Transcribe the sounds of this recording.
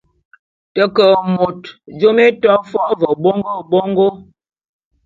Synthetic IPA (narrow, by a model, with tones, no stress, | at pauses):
tə˨kə˨mo˨td͡ʒo˦me˦tɔ˦fɔ˦ʔvə˨bo˦ŋɡo˦bo˦ŋɡo˦